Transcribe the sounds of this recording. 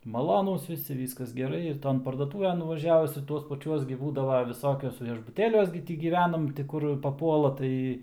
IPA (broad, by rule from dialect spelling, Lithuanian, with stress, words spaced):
mɐˈlˠoːnuːs ʋʲɪˈsʲɪ ˈʋʲiːskɐs ɡʲɛˈrɐɪ ɪr ˈtoːn pɐrduɔˈtʊʋʲɛn nʊʋɐˈʒʲæːʋʊs ɪr ˈtuɔs pɐˈt͡ʃʲuɔs ɡʲɪ ˈbuːdɐʋoː ʋʲɪˈsoːkʲʊs ʋʲiɛʒbʊˈtʲeːlʲuɔs ɡʲɪ ˈtʲɪ ɡʲiːˈʋʲæːnɐm tʲɪ ˈkʊr pɐˈpuɔlˠɐ ˈtɐɪ